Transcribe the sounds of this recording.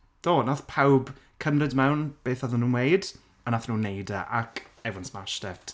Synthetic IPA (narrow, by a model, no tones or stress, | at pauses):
d̥oːnaθpʰawb | kʰəmrɨdmɛwnb̥eːθɔðənːuːnwejd | anaθnuːnːejdaʔakʰɛvʊnsmaʃtɛftʰ